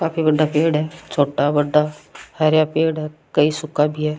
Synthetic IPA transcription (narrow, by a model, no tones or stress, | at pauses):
kaːpʰiːbəɖːaːpeːɖɦɛːt͡ʃʰoːʈaːbəɖːaːhɛːɾjaːpeːɽɦɛːkəiːsʊkːaːbʱiːɦɛː